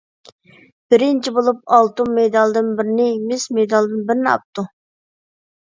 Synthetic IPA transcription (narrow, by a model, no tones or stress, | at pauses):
b̥ɪɾɪnt͡ʃʰibolˠup̚ɑlˠt̪umːejd̪ɑlˠd̪ɨnbɪɾɪnɪmɪsmed̪ɑlˠd̪ɨnbɪɾɪnɪɑ̰p̚t̪u